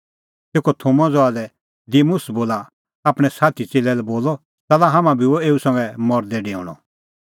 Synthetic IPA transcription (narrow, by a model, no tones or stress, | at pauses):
t̪eːkɔt̪ʰomãd͡zɔalɛ | d̪iːmʊsboːla | aːpɽ̃ɛsaːt̪ʰit͡seːlɛlɛboːlɔ | t͡sɛːlaɦamãbʱioeːusɐ̃ŋɡɛmɔɾd̪ɛɖeɔ̰̃ːɽ̃ɔ̰